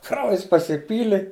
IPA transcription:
ˈkrɐʊjɛs pɐsʲɪˈpʲiːlʲɪ

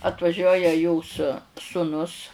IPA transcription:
ɐtʋɐˈʒʲuɔjɛ joːs sʊˈnʊs

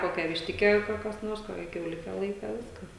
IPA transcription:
ˈkoːkʲæː ʋʲɪʃʲˈtʲɪkʲæː jɛʊ kɐ kɐs ˈnoːrs ˈkoːkʲæː kʲɛʊˈlʲɪkʲɛ ˈlˠɐɪkɐ ˈʋʲɪskɐs

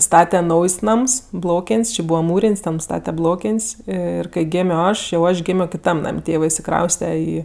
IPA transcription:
ˈstɑːtʲɛ ˈnɐʊjsʲ ˈnɐms ˈblˠoːkʲeːnʲsʲ t͡ʃʲɪ ˈbuːʋɐ ˈmuːrʲeːnʲsʲ tʲɛn ˈstɑːtʲɛ ˈblˠoːkʲeːnʲsʲ ˈɪr kɐɪ ˈɡʲeːmʲoː ˈɐʃ jɛʊ ˈɐʃ ɡʲɪmʲoː kʲɪˈtɐm ˈnɐmʲ ˈtʲeːʋɜ ɪʃʲsʲɪˈkrɐʊsʲtʲɛ ˈiː

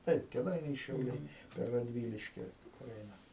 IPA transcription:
ˈtɐɪp kʲɛˈdɐɪnʲɛɪ ʃʲɛʊˈlʲɛɪ pʲɛr rɐdʲˈʋʲiːlʲɪʃʲkʲɪ kʊr ˈɛɪnɐ

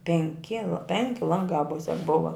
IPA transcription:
pʲɛŋʲˈkʲɪ lˠɐ ˈpʲɛŋʲkʲɪ ˈlˠɐŋɡɑː ˈmʊsʲɛk ˈbʊʋɐ

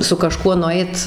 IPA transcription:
sʊ kɐˈʃkuɔ nʊˈɐɪt

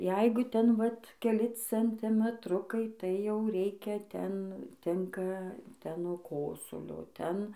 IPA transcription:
ˈjɛɪɡʊ ˈtʲɛn ʋɐt kʲɛˈlʲɪ t͡sʲɛnʲtʲɪmʲɛtˈrʊkɐɪ tɐɪ jɛʊ ˈrʲɛɪkʲɛ ˈtʲɛn ˈtʲɪŋkɐ ˈtʲɛn nuɔ ˈkoːsʊlʲoː ˈtʲɛn

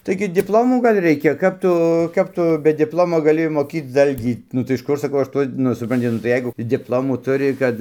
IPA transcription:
ˈtɐɪɡʲɪ dʲɪpˈlˠoːmuː ˈɡɐlʲ ˈrʲɛɪkʲɛ ˈkɐp tʊ ˈkɐp tʊ bʲɛ dʲɪpˈlˠoːmoː ɡɐˈlʲɪ moːˈkʲiːt͡s ˈdɐlʲɡʲiː nʊ tɐɪ ɪʃ ˈkʊr sɐˈkɐʊ ˈɐʃ ˈtuɔ ˈnʊ sʊprɐnʲˈtʲɪ nʊ tɐɪ ˈjɛɪɡʊ dʲɪpˈlˠoːmuː ˈtʊrʲɪ ˈkɐt

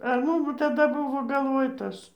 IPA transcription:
ɐr ˈmʊm tɐˈdɐ ˈbʊʋoː ɡɐlˠˈʋoːj ˈtɐs

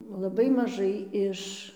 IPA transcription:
lˠɐˈbɐɪ mɐˈʒɐɪ ɪʃ

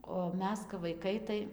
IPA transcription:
oː ˈmʲɛs kɐp ʋɐɪˈkɐɪ tɐɪ

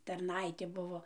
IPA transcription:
tɐrˈnɐɪtʲeː ˈbʊʋoː

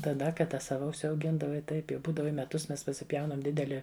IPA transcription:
tɐˈdɐ kɐˈdɐ ˈsɑːʋɐ ʊʃʲsʲɛʊˈɡʲɪndɐʋɐɪ ˈtɐɪp jɛʊ ˈbuːdɐʋɐ ɪ mʲɛˈtʊs ˈmʲɛs pɐsʲɪˈpʲjɛʊnɐm ˈdʲɪdʲɛlʲɪ

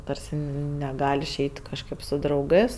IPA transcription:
ˈtɐrʲsʲɪ nʲɛˈɡɐlʲ ɪʃʲˈɛɪtʲ kɐʃˈkɜp sʊ drɐʊˈɡɜs

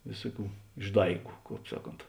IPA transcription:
ˈʋʲeːsʊˌkʲuː ɪʒˈdɐɪɡʊ ˈkɑːp ˈsɑːˌkoːnt

